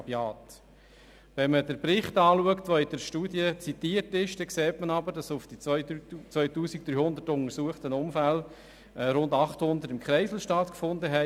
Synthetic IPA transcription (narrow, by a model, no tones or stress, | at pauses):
bjɑːt | ʋɛnmədəɾpɾɪχtɑːluəktʋoid̥əɾʃtuːdjət͡sit̪iːərtɪʃd̥ɛkseːtmənɑbəɾdɑsʊfd̥i | t͡sʋœʏtuːsik̚d̪̥ɾyːhʊnd̪ətʊnəɾsuəχtənʊmfælː | ɾʊndɑχthʊnd̪ətɪmkχɾɛɪsl̩ʃtɑtkfʊndəɦɛ